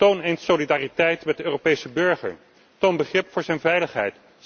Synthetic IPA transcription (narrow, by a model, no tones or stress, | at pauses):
townejntsowlidaːritɛjtmɛt̚dəøːropejsəbɵɹχəɹ | townbəχrɪpfʊːɹzɛjnvɛjləχɦɛ̰jt